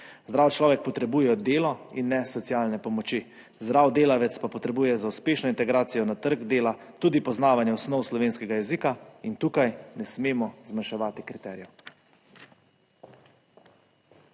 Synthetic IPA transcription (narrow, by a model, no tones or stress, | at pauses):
zd̪ɾawt͡ʃlɔːʋɛk̚pɔt̪ɾɛbuːjɛd̪eːlɔinːɛsɔt̪sijaːlnɛpɔmɔt͡ʃi | zd̪ɾawd̪eːlaʋɛt̪spapɔt̪ɾɛbuːjɛzauspeːʃnɔint̪ɛɡɾaːt̪sijɔnat̪əɾɡd̪eːla | t̪uːd̪ipɔznaːʋanjɛɔsnɔwslɔʋeːnskɛɡajɛziːkaint̪uːkajnɛsmeːmɔzmanʃɛʋaːt̪ikɾit̪ɛːɾijɛ